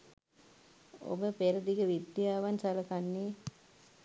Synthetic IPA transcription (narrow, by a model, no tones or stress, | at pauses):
o̰bəpeɾəd̪iɡəʋid̪jaːʋansaləkanːe